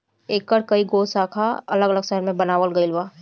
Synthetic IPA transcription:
eːkːəɾkɐiɡoːsaːkʰaɐ̰ləɡələɡsəɦəɾmẽbɐnaːʋəlɡəlwaː

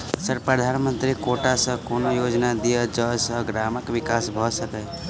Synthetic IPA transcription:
səɾpɾəd̪ʱanmənt̪ɾikoʈasə̃konojod͡ʒnad̪ijəd͡ʒəsəɡɾaməkʋikasbʱɔsəkɛ

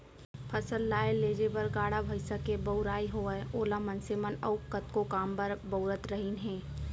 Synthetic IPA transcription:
pʰɐsəlːaːeleːd͡ʒebɐɾɡaːɽabʱɐɪsakebɐʊɾaːiɦooːlamɐnsemənɐʊkət̪kokaːmbɐɾbɐʊɾət̪ɾɐɦinɦɛ̃ː

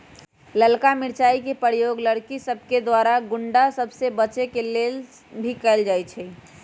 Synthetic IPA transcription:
ləlkamɪɾt͡ʃaːikepəɾjoɡləɽkisəbʱked̪waɾaɡʊɳɖasəbʱsebət͡ʃekelel | bʱikɛɪld͡ʒaːjt͡ʃʰɛ

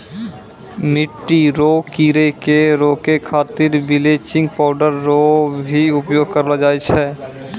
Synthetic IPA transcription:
mɪʈːiɾoːkiːɾekeɾoːkekʰaːt̪ɪɾbɪleːt͡ʃɪ̃ŋɡpɔːɖəɾːobʱiʊpjoːɡ̚kəɾlad͡ʒaːet͡ʃʰɛː

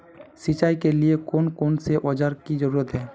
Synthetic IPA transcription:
sit͡ʃaikeliekonkonseʔɔd͡ʒaɾkid͡ʒəɾuɾət̪ɦɛː

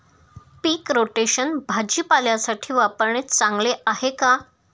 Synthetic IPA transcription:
piːkɾoʈeɕənbʱad͡ʑiːpaljasaʈʰiːʋapəɾɳet̪t͡sãŋɡleʔaɦeka

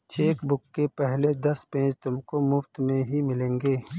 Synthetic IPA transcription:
t͡ʃeːkbʊkːepɛɦled̪ɐspẽːt͡ʃt̪ʊmkomʊft̪mẽɦimɪlẽːŋɡeː

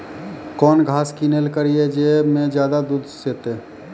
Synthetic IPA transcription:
kɔːnɡʱaːskinelkəɾied͡ʒeːmẽd͡ʒjaːd̪ad̪uːd̪seːt̪eː

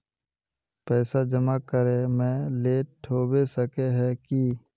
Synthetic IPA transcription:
pɛːsad͡ʒəmakəɾemɛ̃leːʈʰːoːbesəkeɦɛ̃ki

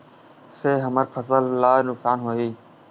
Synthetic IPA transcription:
seːɦəməɾpʰəsəlːaːnʊksaːnɦoːiː

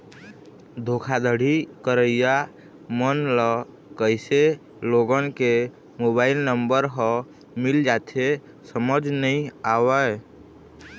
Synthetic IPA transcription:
d̪ʱokʰad̪əɽ̤ikəɾəjja | mənlə | kəɪse | loɡənke | mobaɪlnəmbəɾɦə̃ | mild͡ʒat̪ʰe | səməd͡ʒnəĩawə

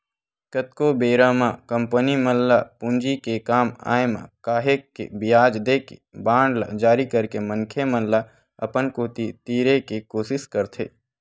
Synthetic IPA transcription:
kət̪̚kobeːɾaːmãːkə̃mpəniməlːapʊnd͡ʒikekaːma̰ːjmã̰kaːɦekːḛbɪjaːd͡ʒd̪eːkḛbãːɳɖla̰d͡ʒaːɾikəɾkeməŋkʰeməlla | ɐ̰pənkoːt̪it̪iːɾekikoːʃɪskəɾt̪ʰḛː

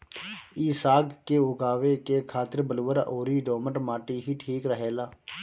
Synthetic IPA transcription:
iːsaːɡkeːoːɡaːʋeːkeːkʰaːt̪əɾbəloːəɾʔoːɾiːɖoːməʈmaːʈiːɦiːʈʰiːkɾəɦeːlaː

